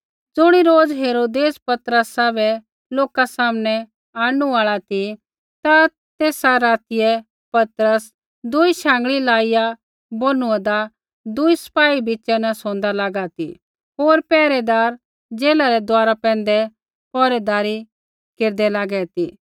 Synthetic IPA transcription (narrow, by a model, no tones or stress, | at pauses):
d͡zʊɽ̃iɾoːd͡zɦeːɾoːd̪eːspɐt̪ɾəsabɛ | loːkasaːmnɛ | aːɽ̃uaːɭat̪i | t̪a | t̪eːsaɾaːt̪ɪjɛ | pɐt̪ɾəs | d̪ʊiʃãːŋɡɭilaːɪja | boːnũɛ̃d̪a | d̪ʊisə̥paːibit͡ʃɛnɐsõːnd̪alaːɡat̪ḭ | ɦoːɾpɛːɾɛd̪aːɾ | d͡zeːlaɾɛd̪aːɾapɛ̃ːnd̪ɛ | pɔːɾɛd̪aːɾi | keːɾd̪ɛlaːɡɛt̪i